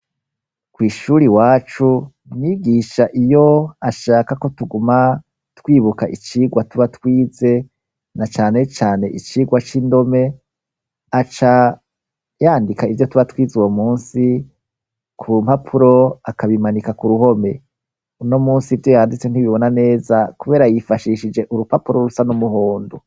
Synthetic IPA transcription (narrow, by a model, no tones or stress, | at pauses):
kwiːʃuːɾiwaːt͡ʃu | niɡiːʃaʔijo̞aʃaːkako̞tuɡuma | twiːβukaʔit͡ʃiːɡwatuβatwiːze̞ | nat͡ʃaːne̞t͡ʃaːne̞ʔit͡ʃiːɡwat͡ʃindo̞me̞ | at͡ʃa | jaːndikaivjo̞tuβatwiːzuwomuːnsi | kʰum̥hapʰuɾo̞akaβimanikakuɾuho̞me̞ | unomuːnsivjo̞jaːndit͡sen̥hiβiβo̞nane̞ːzakuβe̞ɾajifaʃiːʃid͡ʒe̞ʔuɾupapuɾo̞ɾusanumuɦo̞ːndo